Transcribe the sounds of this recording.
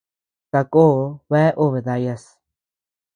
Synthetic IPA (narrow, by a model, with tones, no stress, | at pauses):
ka˧koː˦βe˦e˦ʔu˦βe˨ða˧ja˧s